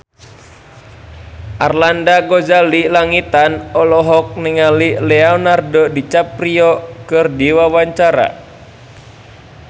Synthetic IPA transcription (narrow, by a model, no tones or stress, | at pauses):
ʔarlandaɡɔzalilaŋit̪anɔlɔɦɔk̚nɛŋalilɛɔɔnardɔdit͡ʃapɾiɔkɨrdiwawaɲt͡ʃaɾa̰